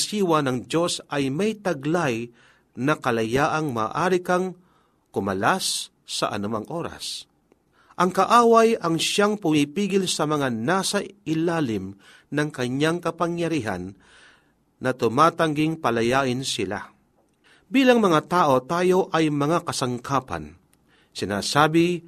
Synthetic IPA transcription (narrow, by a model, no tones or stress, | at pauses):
siːwanɐŋd͡ʒo̞sɐjmɐjt̪ɐɡlaj | nɐkɐlɐjaːʔaŋma̰ːʔaːɾɪkaŋ | kʊmɐ̰lasː | ɐ̰ʔɐ̰nʊmaŋʔoːɾa̰s | ʔɐŋkɐʔaːwajɐŋʃaŋpʊmipiːɡɪlsɐmɐŋanaːsɐɪlaːlɪm | nɐŋkɐɲaŋkɐpɐŋjɐɾiːɦa̰n | ɐt̪ʊmaːt̪ɐŋɡɪŋpɐlɐjaːʔɪnsɪla̰ | biːlɐŋmɐŋat̪aːʔo̞t̪aːjo̞ʔɐjmɐŋakɐsaŋkʰaːpa̰n | sɪna̰ːsaːbɪ